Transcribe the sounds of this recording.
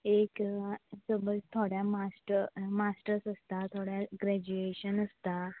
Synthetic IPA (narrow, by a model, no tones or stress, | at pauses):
eksəbəlt̪ʰoɽjamasʈəmasʈəɾsəst̪at̪ʰoɽjaɡɾɛd͡ʑueɕənəst̪a